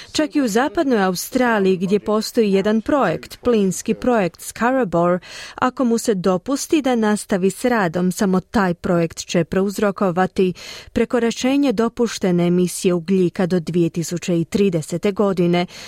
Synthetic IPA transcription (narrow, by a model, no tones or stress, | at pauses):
t͡ʃakiuzaːpad̪no̞jaust̪ɾaːlijiɡd̪je̞po̞st̪o̞ije̞d̪anpɾo̞je̞kt̪plinskipɾo̞je̞kt̪skʰaɾabo̞ɾa̰ko̞muse̞d̪o̞pust̪id̪anast̪aʋisɾaːd̪o̞msamo̞t̪aːjpɾo̞je̞kt̪t͡ɕe̞pɾeuzɾo̞ko̞ʋat̪ipɾe̞ko̞ɾet͡ʃe̞ːɲed̪o̞puʃt̪e̞ne̞ːmisije̞uɡʎikad̪o̞d̪ʋije̞t̪isut͡ɕe̞it̪ɾiːd̪e̞se̞t̪e̞ɡo̞d̪ine̞